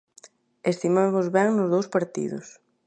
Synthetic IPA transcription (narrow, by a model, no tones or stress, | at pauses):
est̪imamʊzβɛŋnʊzðowspaɾt̪ḭðʊ̰s